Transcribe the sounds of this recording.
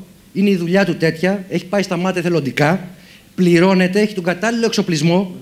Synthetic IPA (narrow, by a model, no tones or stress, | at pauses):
ineiðuʎɐt̪ut̪e̞t̪çɐe̞çi̥pɐist̪ɐmɐt̪eθe̞lo̞nd̪ikɐ | pliɾo̞ne̞t̪e̞eçit̪o̞ŋɡɐt̪ɐlilo̞ekso̞plizmo̞